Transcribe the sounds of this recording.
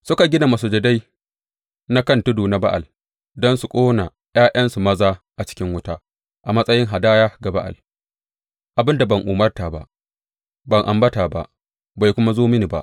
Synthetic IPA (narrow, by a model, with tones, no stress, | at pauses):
sʊ˦ka˨ɡʲɪ˦na˨ma˨s̬u˨d͡ʒɛ˨da˦j | na˦kɐ˦ntʊ˦duː˨na˨˦ba˦ʔa̰˨l | dɔ˦nsu˨kʷʼoː˦na˨ | j̰aː˦j̰ɐ˦nsu˨mɐ˦zaː˦ʔa˨t͡ʃɪ̥˦kʲɪ˦ŋwʊ˦ta˦ | ʔa˨mɐ˦sʼɐ˦jɪ˦ŋɦa˨daː˦jaː˦ɡa˨ba˦ʔa̰˨l | ʔa˨bɪ˦nda˨bɐ˨ŋʔuː˨mɐ˦rta˨ba˦ʔ | bɐ˨ŋʔa̰˨mbɐ˦ta˨ba̰˦ʔ | ba˨jkʷʊ˦ma˦zoː˦mɪ˦ni˨ba̰˦ʔ